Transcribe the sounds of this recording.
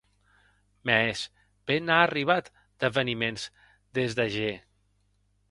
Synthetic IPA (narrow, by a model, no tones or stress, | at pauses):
mɛes | b̥enaəriβ̞at̪ | d̪̥əβənimenz | d̪ezd̪əʒe